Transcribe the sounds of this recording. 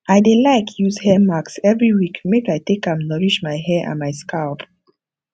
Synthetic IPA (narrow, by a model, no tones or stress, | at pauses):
aɪdelaɪkʰjuzhɛmaksɛvɹiwikmekaɪtekãmnɔɹiʃmaɪhɛʔã̰nmaɪskʰaʊp